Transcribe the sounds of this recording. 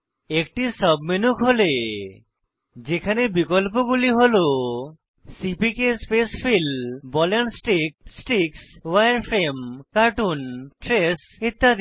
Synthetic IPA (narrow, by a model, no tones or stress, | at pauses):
ek̚ʈisɔbminukʰɦole | d͡ʒekʰanebikɔlp̬oɡuliɦolo | sipikespespʰilbɔlansʈɾik̚sʈikswajaɾpʰɾemkaɾʈunʈɾes | it̪ːad̪